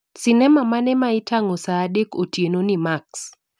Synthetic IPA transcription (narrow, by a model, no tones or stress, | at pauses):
sɪnɛmamanɛmaɪtʰaŋosadekotjenonimaks